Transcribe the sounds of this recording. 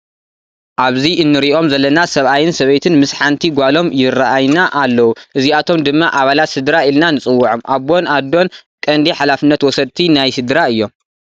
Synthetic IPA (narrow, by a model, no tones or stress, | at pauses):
ʔaβziʔɨnːɨɾiʔo̞mzɐlːɐnasɐβʔajɪnsɐβɐjt̪ʰɨnmɨsħant̪ʰiɡʷalo̞mjɪrːaʔajnaʔalːɐwuʔɨziat̪ʰo̞md̪ɨmːaʔaβalat̪sɨd̪ɾailnanɨt͡sʼɨwːʊʕomʔaβbo̞nad̪o̞nkʼɐnd̪iħalafɨnːɐt̪wɔsɐd̪̚t̪ʰinajsɨd̪ɾaɨjːo̞m